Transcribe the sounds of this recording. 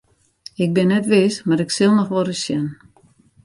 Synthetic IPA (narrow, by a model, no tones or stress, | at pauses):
ɪk̚bɪnːɛtʋɪsmaɾɪksɪlˠnɔxʋɔɾəsjɛn